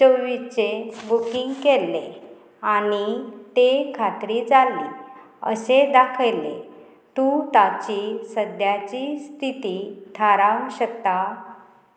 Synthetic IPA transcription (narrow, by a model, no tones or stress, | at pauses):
t͡ɕəwʋit͡sebukiŋɡkelːe | aɽ̃it̪ekʰat̪ɾid͡zali | ə̰sed̪akʰəjle | t̪ut̪at͡ɕisəd̪jat͡ɕist̪ʰit̪it̪ʰaɾaʋuɕək̚t̪a